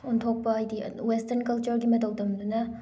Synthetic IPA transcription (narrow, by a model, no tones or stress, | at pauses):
untʰok̚pɐːjdiwestɐnkɐlt͡ʃuɾɡimɐtʰɐwdɐmdunɐ